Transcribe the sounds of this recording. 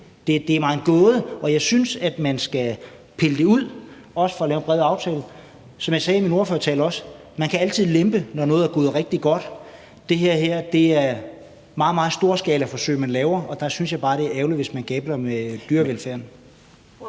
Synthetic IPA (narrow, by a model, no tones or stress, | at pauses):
d̥e̝d̥e̝æɐmɑ̈ːð̩ˠɡ̥ɔ̽ːð̞ˠəʔɒ̽jɑ̈ɪsynsæd̥mænsɡ̥æ | pʰe̝ləd̥e̝uð̰ˠ | ɒ̽sə̥fɒ̽lɛːʊnb̥ʁɛːðˠɑ̈ʊt͡sʰɛ̰ːlə | sɒ̽mjɑ̈ɪsɛːimino̝ɐføːɐt͡sʰɛ̰ːlɒ̽s | mænkʰææl̰t͡sʰið̰ˠlemb̥ənɒnɔ̽ːð̩ˠæɐɡo̝ːð̞̩ˠʁɛɡ̥̚d̥iɡ̥ɒ̽d̥ | d̥e̝ɦeɐ̰ɦeɐ̰d̥e̝æɐ | mɑ̈ːð̩ˠmɑ̈ːð̩ˠsd̥o̝ːɐsɡ̥ɛːlæfɒ̽sø̰ɪɐmænlɛːʊɐʔɒ̽d̥ɑ̈synsjɑ̈ɪb̥ɑ̈ːɾ̥e̝æɐeʊliʋe̝smænɡ̥ɛːb̥lɐmed̥yːɐʋelfæɐ̰n